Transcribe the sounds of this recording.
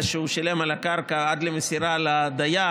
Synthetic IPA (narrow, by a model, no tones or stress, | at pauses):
ʃeuʃale̞malakaʁkaad̪lemesiɾalad̪aja